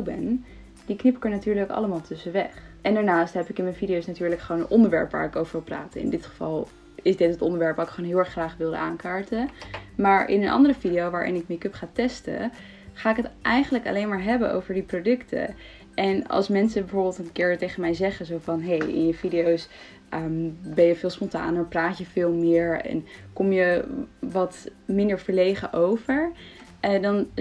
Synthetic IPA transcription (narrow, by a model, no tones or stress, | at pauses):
owbɛn | diknɪpɪkəɹnatyːɹləkkɑ̰ləmaːlˠtɵsəʋɛ̰χʔɛndaːɹnaːstɦɛpɪkɪnmɛnfidijowsnatyːɹləkχəʋoːnənʔɔndəɹʋɛ̰ɹpʋa̰ːɹɪkowvəɹʋɪlˠpra̰ːtəɪ̰ndɪtχə̥v̥ɑ̰lˠ | ɪzdɪtɦətɔndəɹʋɛɹpʋɑtɪkχoːnɦɪːlˠɛɹχχraːχʋɪlˠdə̰ʔaːnkaːɹtəmaːɹʔɪ̰nənʔɑ̰ndərəfidiowʋaːɹʔɪ̰nɪk̚mikɵpχaːtɛstə̰ | χaːɪkɦətʔɛjχənləkɑ̰lejnmaːɹɦɛbənʔo̰wvəɹdiprodɵktʰə̰ | ʔɛnɑ̰lˠsmɛnsəbɛvʊːɹbɪlˠtənkɪːɹtejχəmɛjzɛχəzowfɑnɦejɪ̰njəvidijows | ʔəmbɛjəvɪːlˠspɔnta̰ːnəɹpraːtjəvɪːlˠmɪːɹɛ̰nkɔmjəʋɑtmɪndəɹv̥əɹlejχəʔowvəɹʔdɑn